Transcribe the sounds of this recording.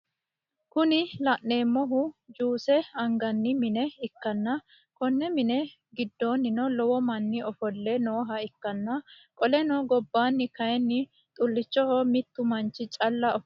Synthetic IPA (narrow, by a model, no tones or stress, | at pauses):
kʊnɪlɐʔnːe̞ːmːɔɦʊd͡ʒuːsɛɐŋɡɐnːɪmɪnɛɪkːɐnːɐ | kɔnːɛmɪnɛ | ɡɪd̪ːoːnːɪnɔlɔwɔmɐnːɪɔfɔlːɛnoːɦɐɪkːɐnːɐ | kʼɔlɛnɔɡɔbːaːnːɪkɐjɛnːɪ | t̪ʼʊlːɪt͡ʃːɔhɔmɪt̪ːʊmɐnt͡ʃːɪt͡ʃʼɐlːɐɔ